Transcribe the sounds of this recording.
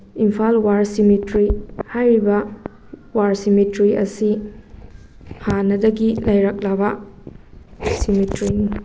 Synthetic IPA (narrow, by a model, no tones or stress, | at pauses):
impʰalwaɾsimitɾihajɾibɐ | waɾsimetɾiɐ̰si | hanɐdɐɡilɐjɾɐk̚labɐ | simetɾini